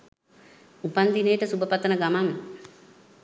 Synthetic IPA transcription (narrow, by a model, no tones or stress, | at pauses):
upand̪inejəʈəsubəpat̪ənəɡamaŋ